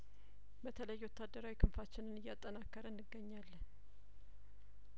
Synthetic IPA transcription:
bət̪ʰələjːwɔt̪ːad̪ːəɾawikʰɨmfat͡ʃːɪnɨnɨjːat̪ʼːənakːəɾənːɨɡːəɲːalː

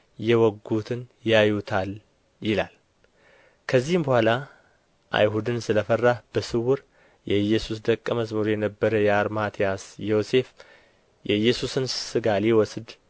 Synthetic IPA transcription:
jɛwɔɡːut̪ʰɨnjajut̪ʰal | jɪlal | kʰəzːihɨmbəhʷala | ʔa̰jɦud̪ɨnsɨləfərːahb̥əsɨwʊɾ | jɛjːɛsusd̪əkʼːəməsməɾujɛnəbːəɾəjɛaɾmat̪ʰijasjose̞f | jɛjːɛsusɨnsɨɡaliwɔsd̪

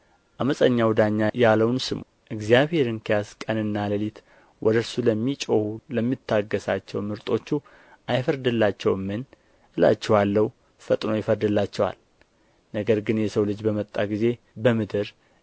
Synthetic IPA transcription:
ʔaməsʼəɲːawd̪aɲːajaləwnsɨmoʔɨɡzjaβhe̞ɾɨnkʰejaskʼənɨnːaləlit̪ | wʔɔd̪əɾsuləmːit͡ʃʼohuləmːit̪ʰːaɡːəsat͡ʃːɛwmɨɾt̪ʼo̞t͡ʃːu | ʔajfəɾd̪ɨlːat͡ʃːɛwmːɨn | ʔɨla̰t͡ʃːɛwalːəw | fət̪ʼno̞jɪfəɾd̪ɨlːat͡ʃːɛwa̰l | nəɡəɾɡɨnjɛsəwlɨd͡ʒbəmət̪ʼːaɡize̞ | bəmɨd̪ɨɾ

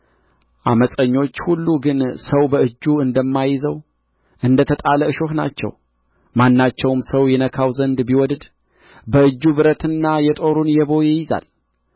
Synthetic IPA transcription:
ʔaməsʼəɲːo̞t͡ʃːhulːuɡɨnsəwbəɨd͡ʒːuɨnd̪əmːajɪzəw | ʔɨnd̪ət̪ʰət̪ʼaləɨʃohna̰t͡ʃːɛ̰w | manːat͡ʃːɛwmsəwjɛnəkʰawzənd̪biwɔd̪d̪ | bəɨd͡ʒːubɨɾət̪ɨnːajɛt̪ʼo̞ɾunjɛβo̞jɪjɪza̰l

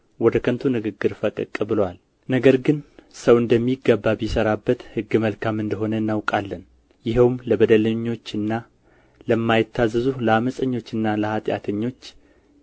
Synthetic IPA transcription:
wɔd̪əkʰənt̪ʰunɨɡɨɡːɨɾfəkʼɨ̰kʼːɨbɨlwal | nəɡəɾɡɨnsəwɨnd̪əmːiɡːəbːabjɪsəɾabːət̪hɨɡːɨməlkʰamɨnd̪əɦo̞nəɨnːawkʼalːən | jɪɦəwmləbəd̪ələɲːo̞t͡ʃːɨnːa | ləmːajɪt̪ːazːɨzuləaməsʼəɲːo̞t͡ʃːɨnːaləhat̪ʼja̰t̪ʰəɲːo̞t͡ʃː

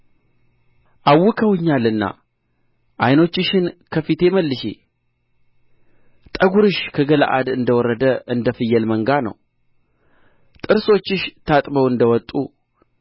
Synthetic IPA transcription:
ʔawːʊkʰəwɨɲːalɨnːa̰ | ʔajno̞t͡ʃːɪʃɪnkʰəfit̪ʰe̞məlːɨʃḛ | t̪ʼəɡuɾɨʃkʰəɡəl̰ʔa̰d̪ɨnd̪əwɔɾːəd̪əʔɨnd̪əfɨjːəlməŋɡanə̰w | t̪ʼɨɾso̞t͡ʃːɪʃt̪ʰat̪ʼbəwɨnd̪əwɔt̪ʼu

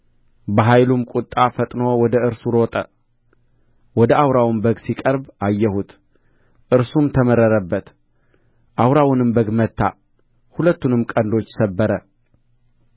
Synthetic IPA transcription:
bəɦajlumkʼut̪ʼːafət̪ʼno̞wɔd̪əɨɾsuɾot̪ʼə | wɔd̪əawɾawmbəɡsikʼəɾbajːɛhut̪ | ʔɨɾsumt̪ʰəməɾəɾəbːət̪ | ʔawɾawnɨmbəɡmət̪ʰːa̰ | hulət̪ːunɨmkʼənd̪o̞t͡ʃːsəbːəɾə

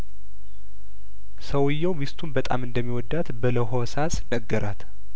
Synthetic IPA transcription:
səwɨjːɛwmist̪ʰunbət̪ʼamɨnd̪əmːiwɔd̪ːat̪bələɦosasnəɡːəɾʔat̪

